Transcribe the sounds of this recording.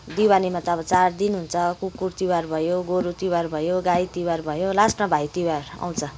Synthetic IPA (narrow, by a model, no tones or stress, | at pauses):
d̪iwanimat̪ʌbʌt͡sard̪inɦunt͡sʰʌkukːurt̪iwarbʱʌjoɡoɾut̪iwarbʱʌjoɡajt̪iwarbʱʌjolasʈmʌbʱajt̪iwara̰w̃t͡sʰʌ